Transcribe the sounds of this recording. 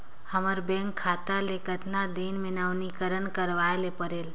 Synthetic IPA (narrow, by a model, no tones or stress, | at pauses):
həməɾbɛ̃ŋkʰːat̪alekət̪nad̪eːnmɪnaʋnikəɾənkəɾʋaelepəɾeːl